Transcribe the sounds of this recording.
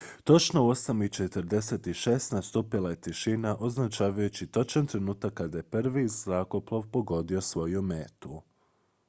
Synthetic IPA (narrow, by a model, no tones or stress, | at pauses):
t̪o̞t͡ʃno̞uo̞samit͡ʃe̞t̪əɾd̪e̞se̞t̪iʃe̞ːst̪nast̪upilˠajet̪iʃinaʔo̞znat͡ʃaːʋajut͡ɕit̪ot͡ʃant̪ɾe̞nuːt̪akːad̪ajepr̩ʋizakoplˠoʋpo̞ɡo̞d̪io̞sʋo̞jumeːt̪u